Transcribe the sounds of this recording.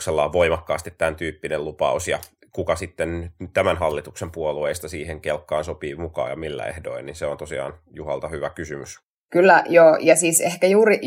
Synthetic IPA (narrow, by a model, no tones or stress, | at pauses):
selːɑːʋʋoimɑkːɑːst̪it̪t̪ænt̪yːpːinellupɑ̰usjɑ̰ | kukɑsit̪ːennyt̪æmænɦɑlːit̪uksempuolueist̪ɑsiːheŋkelkːɑːnsopiːmukɑ̰ːjɑmilːæ̰ḛhdo̰inninseont̪osiɑ̰ːn | juhɑlt̪ɑhyʋækysymys | kylːæjoːjɑsiːsehkæjuːri